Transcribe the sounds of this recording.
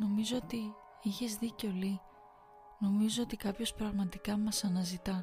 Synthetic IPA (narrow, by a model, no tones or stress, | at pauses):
no̞mizo̞ot̪i | içe̞zðiceo̞li | no̞mizoot̪ikɐpço̞spɾɐɣmɐt̪ikɐmɐsɐnɐzit̪ɐ